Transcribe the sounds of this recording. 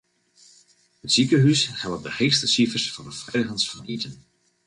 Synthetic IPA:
hətsikəɦysχɛl̚ˠdəχexstəsifərsfɑndəfrɛjdəχənsfɑnʔitən

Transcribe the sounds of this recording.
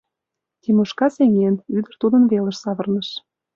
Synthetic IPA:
t̪imuʃkɑseŋenyd̪ə̆rt̪ud̪ə̆nβelə̆ʃsɑβɤ̆rnəʃ

